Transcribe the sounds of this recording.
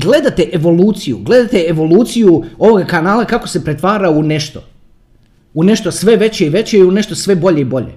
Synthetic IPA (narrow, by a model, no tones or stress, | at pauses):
ɡle̞d̪at̪eʔeʋo̞luːt̪sijuɡle̞d̪at̪eeʋo̞luːt̪sijuo̞ʋoɡakanaːlakako̞̥se̞pɾe̞t̪ʋaːɾaune̞ʃt̪o | une̞ʃt̪o̞sʋe̞ʋe̞t͡ɕeiʋe̞t͡ɕeiune̞ʃt̪osʋe̞bo̞ʎe̞ibo̞ʎḛ